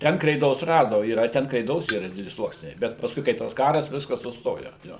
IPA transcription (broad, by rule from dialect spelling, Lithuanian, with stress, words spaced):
ˈtʲɛn krʲɛɪˈdoːs ˈrɑːdoː iːˈrɐ ˈtʲɛn krʲɛɪˈdoːs ˈiːrɐ ˈdʲɪdʲɛlʲɪ ˈslˠuɔksʲnʲɛɪ ˈbʲɛt pɐsˈkʊɪ kɐɪ ˈtɐs ˈkɑːrɐs ˈʋʲɪskɐs sʊˈstoːjoː joː